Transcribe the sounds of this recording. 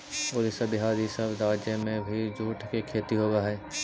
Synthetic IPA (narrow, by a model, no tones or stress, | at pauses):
olɪsəbɪɦaːɾisəbɾaːd͡ʒjəmẽbʱid͡ʒuːʈʰkekʰeːt̪iɦoːɡaɦɛː